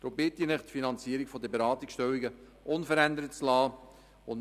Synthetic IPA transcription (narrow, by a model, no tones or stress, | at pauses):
d̪̥ɾʊmbɪtːɪnɪχt̪finɑnt͡siːəɾikfɔd̪əbeɾɑːt̪iksʃtɛwiɡə | ʔʊnfəɾænd̪əɾət̚t͡slɑː | ʊn